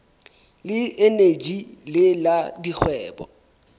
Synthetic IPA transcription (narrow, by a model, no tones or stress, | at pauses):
lɪened͡ʒilɪladik͡xʰwɛːbɔ̰